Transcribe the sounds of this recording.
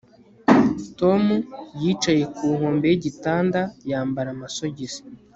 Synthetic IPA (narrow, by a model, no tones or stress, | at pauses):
to̞mujiːt͡ʃaje̞kuːŋ̥o̞ːmbejeɟitaːndajaːmbaɾamaso̞ɟizi̥